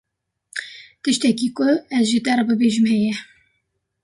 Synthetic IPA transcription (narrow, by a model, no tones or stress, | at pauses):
t̪ɨʃt̪ɛkiːkʊɛzʒit̪ɛɾɨbɨbeʒɨmɦɛjɛ